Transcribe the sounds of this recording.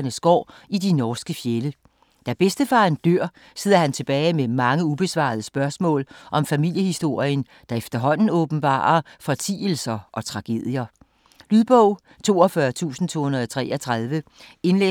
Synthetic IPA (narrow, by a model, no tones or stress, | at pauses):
nəsɡ̥ɒ̰ːid̥inɒːsɡ̥əfjelə | d̥æb̥esd̥əfɑ̈nd̥øɐ̰ | seð̞̰ˠɐhænt͡sʰe̝b̥ɛːɪmemɑ̈ŋəub̥e̝sʋɑ̰̈ð̞ˠəsb̥ɶɐsmɔ̰̽ːlʔɒ̽mfæmil̰jəhisd̥o̝ɐ̰iən | d̥ɑ̈efd̥ɐɦɒ̽n̰n̩ɔ̽ːb̥n̩b̥ɑ̰̈ːɐfɒ̽t͡sʰḭːl̩sɐʔɒ̽t͡sʰʁɑ̈ɡ̥e̝̰ð̰ˠjɐ | lyðˠb̥ɔʊ̰ | t͡sʰo̝̰ːɒfɶɐt͡sʰṵːsn̩t͡sʰo̝̰ːhunɐðˠɒt͡sʰʁɛ̰ːɒt͡sʰʁɑðˠʋəe̝nle